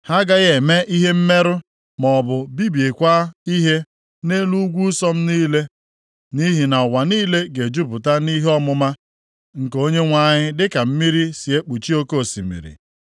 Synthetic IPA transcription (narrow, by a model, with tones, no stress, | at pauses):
ha˦ɡa˦ɣe˨me˦i˦ɦe˦m̩˦me˦ɾʊ˦ | mɔ˨bʊ˨bi˦bi˨e˨kʷa˦i˦ɦe˦ | ne˦lu˦ɡʷu˦sɔ˦m̩˦niː˦le˦ | ni˦ɦi˨na˨wa˨niː˦le˦ɡe˨d͡ʒu˦pʊ˨ta˦ni˦ɦɔ˦mʊ˦ma˦ | ŋ̩˨ko˦ɲe˦ŋʷa˦˨ɲɪ˦dɪ˦ka˨m̩˦mi˦ɾi˦si˨e˦k͡pu˨t͡ʃi˦o˦ko˦˨si˨mḭ˨ɾḭ˨